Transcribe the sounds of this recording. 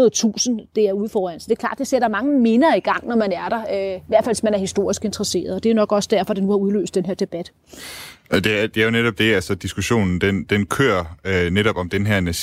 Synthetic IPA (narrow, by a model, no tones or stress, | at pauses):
ɐð̩ˠt͡sʰṵːsən̩d̥e̝æɐuðˠfɒːdæn̰sd̥e̝ɐkʰlɑ̰̈ːd̥e̝seɐd̥ɑ̈mɑ̈ŋəme̝nɐːiɡ̥ɑ̈ŋ̰nɒmænæɐɾ̥ɑ̈øiʋæɐ̰dfælsmænæɐhisd̥o̝ɐ̰isɡ̥e̝nd̥ʁɐse̝̰ːɐðˠɒ̽d̥eɐjo̝nɒ̽ɡ̥ɒ̽sd̥æɐ̰fɒ̽d̥enuhɑ̈uð̞ˠlø̰ːsd̥enɦeɐd̥e̝b̥æd̥ | d̥e̝æd̥e̝æɐjo̝neɾɒ̽b̥̚d̥e̝ælsəd̥isɡ̥uɕo̝̰ːnn̩d̥end̥enkʰø̰ːɐneɾ̥ɒ̽b̥ɒ̽md̥enɦɛɐ̰næ